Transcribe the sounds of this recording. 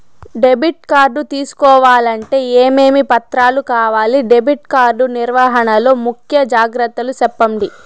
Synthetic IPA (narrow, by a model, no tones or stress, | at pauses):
ɖe̞biʈ̚kaːɾɖut̪iːsu̥kɔːʋaːlɐɳʈe̞ːeːmeːmipɐt̪ɾaːlukaːʋaːliɖe̞biʈkaːɾɖuniɾʋaːɦɐɳɐlo̞ːmukʰjɐd͡ʒaːɡɾɐt̪ːɐlusɛpːɐmɖi